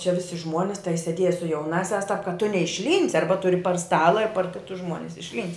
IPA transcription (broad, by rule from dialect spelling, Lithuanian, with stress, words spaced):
t͡ʃʲɛ ˈʋʲɪsʲɪ ˈʒmuɔnʲɪs tɐɪ sʲɛˈdʲiɛjɛ sʊ jɛʊˈnɑːsʲæːs tɐp kɐt tʊ nʲɛɪʃʲˈlʲiːnʲsʲɪ ˈɐrbɐ ˈtʊrʲɪ pɐr ˈstɑːlˠɐ ɪr pɐr ˈkʲɪtʊs ˈʒmuɔnʲɪs ɪʃʲlʲˈiːnʲsʲtʲ